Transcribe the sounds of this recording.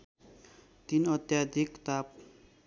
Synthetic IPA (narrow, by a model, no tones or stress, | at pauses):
t̪inʌt̪jad̪ʱikt̪ap